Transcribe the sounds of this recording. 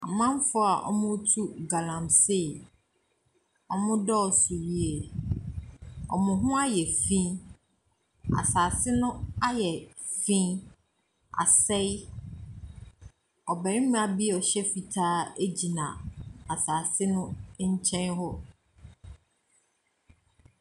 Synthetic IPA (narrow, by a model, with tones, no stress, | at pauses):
a˨mã˦m˦fʊ˦a˨ʔɔ̰˦mʊ̃˦tʰu˦ɡa˨lã˨mse˦˨ | ɔ˦mʊ̃˦dɔ˦ɔ˨sʊ˨ji˦e˨ | ɔ̰˨mʊ̃˨ɦʊ̃˦a˦jɛ˨fĩ˦ | a̰˨saː˨sɪ˦nʊ̃˦a˦jɛ˨ | fĩ˦ | a̰˨sɛ˦j | ɔ˨bɛ˨ɾɪ̃˦mʊ̃˦a˨bi˦ɔ˨ɕɛ˦fi˨tʰaː˦e˦d͡ʑi˨nã˨a˨saː˨sɪ˦nʊ̃˦ɲ̩˦t͡ɕʰɛ̃˦nɦɔ˦